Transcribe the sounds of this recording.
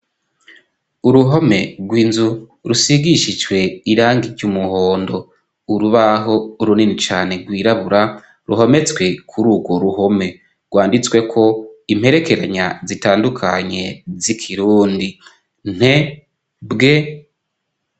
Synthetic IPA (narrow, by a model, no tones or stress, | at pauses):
uɾuɦo̞me̞ɡwiːnzu | ɾusiɡiʃid͡ʒwe̞iɾaːŋɡiɟumuhoːndo̞ | uɾuβaɦo̞uɾuninit͡ʃaːne̞ɡwiːɾaβuɾa | ɾṵɦo̞me̞t͡swe̞kʰuɾuːɡwo̞ɾuho̞me̞ | ɾɡwaːndit͡swe̞kʰo̞im̥he̞ɾe̞ke̞ɾaɲazitaːndukʰaɲe̞zikʰiɾuːndi | n̥he | bɡe̞